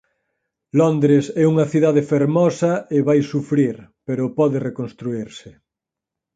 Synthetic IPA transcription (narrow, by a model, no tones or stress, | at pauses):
lond̪ɾesɛuŋɐθiðaðefeɾmɔsɐeɪβajsufɾiɾpeɾʊpɔðerekonst̪ɾuiɾsɪ